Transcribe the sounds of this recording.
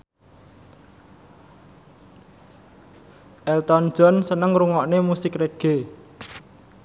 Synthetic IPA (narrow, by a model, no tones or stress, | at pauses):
ʔɛlt̪ɔn̥d͡ʒɔ̤nsənəŋruŋɔʔnemusɪkreɡ̥e̤